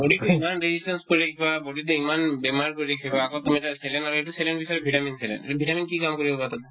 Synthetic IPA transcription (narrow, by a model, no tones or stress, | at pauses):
boɖit̪eimanɾed͡ʑisʈenskoɾiɾekʰibaboɖit̪̬eimanbemaɾkoɾidekʰibaakot̪umieʈaselenaɾoeʈuselenbisɔɾebʱiʈaminsʰelḛnḛʈbʱiʈaminkikamkoɾibobat̪ɔm